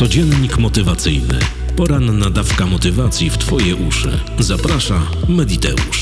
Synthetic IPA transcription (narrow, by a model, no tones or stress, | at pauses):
ɔd͡ʑɛnɲikmɔt̪ɘvat̪sɘjnɘ̰ | pɔɾanːad̪afkamɔt̪ɘvat̪sʲjift̪fɔjɛʔuʂɘ̰zapɾaʂa | mɛd̪ʲit̪ɛ̰ṵʂ